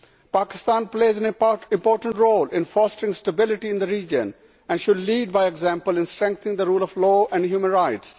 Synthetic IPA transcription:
paːkɪst̪ãːnpleːzæ̃nɪ̃mpɔːɾʈə̃ɳʈɾoːlɪ̃nfɔːsʈɪ̃ŋsʈəbɪlɪʈiɪ̃nd̪əɾiːd͡ʒə̰̃n | ɛ̃ɳɖʃʊɖliːɖ̚baɪeɡzæ̃mpəlɪ̃nsʈɾɛ̃ŋk̚t̪ənɪ̃ŋd̪əɾuːlɔʋlɔːʔɛ̃ɳɖɦjuːmə̃nɾaɪʈs

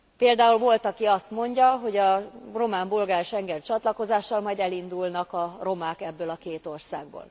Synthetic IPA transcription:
peːld̪aːulvo̞lt̪ɒkiɒst̪mo̞ɲɟɒɦo̞ɟɒro̞maːmbolɡaːɾʃɛŋɡɛnt͡ʃɒt̪lɒko̞zaːʃːɒlmɒjd̪ɛlind̪ulnɒkɒro̞maːkɛbːøːlɒkeːt̪o̞rsaːɡbo̰ːl

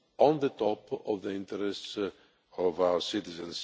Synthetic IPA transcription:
ɔ̃nðət̪ɔpɔvðəɪ̃nt̪əɾɛsts | ɔvaʊə˞sɪt̪izə̃ns

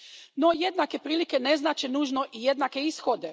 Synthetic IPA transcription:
no̞je̞d̪nake̞pɾiːlike̞ne̞znaːt͡ɕenuːʒno̞ʔije̞d̪nake̞isxod̪e̞

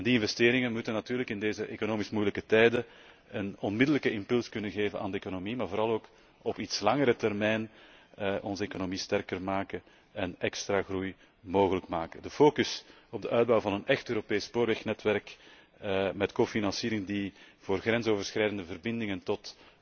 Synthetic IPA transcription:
ɛndiɪnvɛsteːɾɪŋənmutənːɑtyːrləkɪndeːzəʔekonoːmismujləkətɛjdə | ənɔnmɪdələkəɪmpɵlˠskɵnənɣeːvənʔa̰ːndəekonomimaːrvoːɾɑlˠoːk | ɔpitslɑŋəɾətɛrmɛjn | ʔɔnzəekonomistɛrkərmaːkə | ɛnɛkstraɣruj | moːɣələkmaːkədəfoːkʏs | ɔb̚dəʔœːɥd̚bɑwvɑnənɛxtøːɾopeːsːpoːɾʋɛxnɛtʋɛrk | mɛtkoːfinɑnsiːɾɪŋdivoːrɣrɛnzoːvərsxɾɛːjdəndəvərbɪndɪŋəntɔt

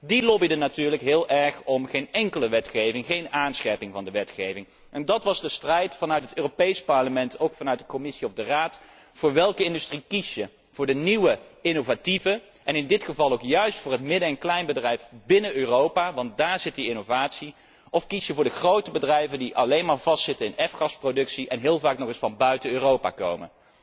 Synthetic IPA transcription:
dilɔbidənatyːɹləkɦɪːlˠɛɹχɔmχejnɛŋkələʋɛtχejvɪŋχejnaːnsχɛpɪŋvɑndəʋɛtχejvɪŋ | ʔɛndɑtʋɑzdəstrɛjtfɑnœɥtɦətøːropejspɑɹləmɛntʰowkfɑnœɥt̚dəkɔmɪsiɔvdəraːt | fʊːɹʋɛlˠkəɪndystrikisjə | v̥ʊːɹdəniwəɪnovativə | ʔɛnɪndɪtχəvɑlˠowkjœɥstfʊːɹɦətmɪdəɛnklɛjnbədrɛjfbɪnəøːrowpaːʋɑnt̚daːɹzɪtdiɪnowvaːtsi | ɔfkisjəvʊːɹdəχrowtəbədrɛjvəndiʔɑlejnmaːɹvɑstsɪtənɪnɛfχɑsprodɵksiʔɛnɦɪːlˠvaːknɔχɪsfɑnbœɥtəøːrowpa̰ːko̰wmə̰

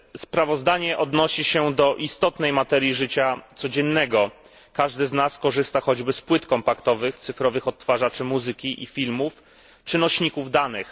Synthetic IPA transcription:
spɾavɔzd̪aɲɛʔɔd̪nɔɕiɕɛd̪ɔʔist̪ɔt̪nɛjmat̪ɛɾʲjiʐɘt͡ɕat̪sɔd͡ʑɛnːɛɡɔ | kaʐd̪ɘznaskɔʐɘst̪axɔd͡ʑbɘspwɘt̪kɔmpakt̪ɔvɘxt̪sɘfɾɔvɘxɔt̪ːfaʐat͡ʂɘmuzɘkʲiʔḭfʲilmuf | t͡ʂɘnɔɕɲikuvd̪anɘx

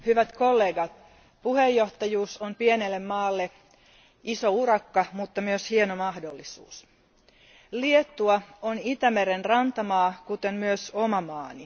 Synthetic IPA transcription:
hyʋæt̪kolːeːɡɑt̪̚ | puhejːoht̪ɑjuːsompienelːemːɑːlːe | isourɑkːɑmut̪ːɑmyøshienomɑhdolːisṵːs | liet̪ːuɑonit̪æmeɾenrɑnt̪ɑmɑːkut̪emmyøsomɑmɑːni

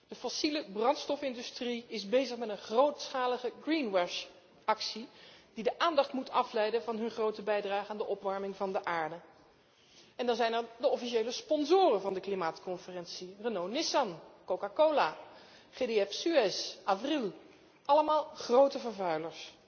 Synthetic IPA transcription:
d̥əfɔsiləbrɑntstɔfɪndystriɪzbejzəχmɛtənχrowtsχaːləχəɡrinwɛʃ | ɑksididəʔaːndɑχtmutʰɑflɛjdənvɑnɦɵnχrowtəbɛjdraːχəaːndəʔɔpʋɑɹmɪŋvɑndəʔaːɹdə | ɛndɑnzɛjnɛɹdəɔfiʃejləspɔnzʊːrənvɑndəklimaːtkɔnfərɛnsirənownɪsɑnkowkakowla | χedeɛfsyɛsaːfrilˠ | ɑləmaːlˠχrowtəvəɹvœɥləɹs

